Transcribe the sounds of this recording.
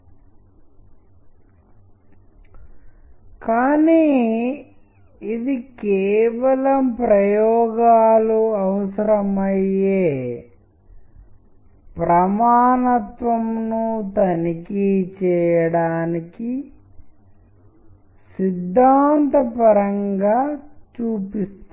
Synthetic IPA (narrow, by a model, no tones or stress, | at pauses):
kaːniː | id̪ikɛeːʋɐlɐmpɾɐjɔːɡaːluɐʋɐsɐɾɐmɐjeː | pɾɐmaːnɐt̪ʋɐmnut̪ɐnikit͡ʃɛːjɐɽaːniki | sid̪ʱːaːnt̪ɐpɐɾɐŋɡaːt͡ʃuːpist̪